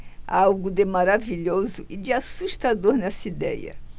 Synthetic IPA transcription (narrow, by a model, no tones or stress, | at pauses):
awɡʊd̪ɪmaɾaviʎozʊʔɪd͡ʒɪasuʃt̪ad̪oɾnɛsɐid̪ɛ̰jɐ̰